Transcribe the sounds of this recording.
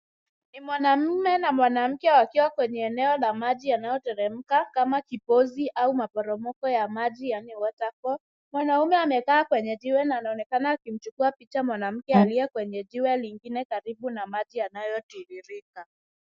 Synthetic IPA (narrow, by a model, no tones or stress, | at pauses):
nimwanam̩mɛnamwanam̩kɛwakiwakwɛɲɛːnɛɔlamaʄijanajɔtɛɾɛm̩kakamakipɔziʔaumapɔɾɔmɔkɔjamaʄijaniwɔtakɔ | mwanaumɛamɛkaːkwɛɲɛʄiwɛnaːnaɔnɛkanaːkim̩t͡ʃukuapit͡ʃamwanam̩kɛaliɛkwɛɲɛʄiwɛliŋɡinɛkaɾiɓunamaʄijanajɔtiɾiɾika